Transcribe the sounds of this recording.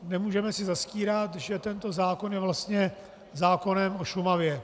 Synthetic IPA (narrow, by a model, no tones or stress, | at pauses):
nɛmuːʒɛmɛsɪzasciːɾat̪ʒɛt̪ɛnt̪o̞zaːko̞njɛvlast̪ɲɛ | zaːko̞nɛmo̞ʃumavjɛ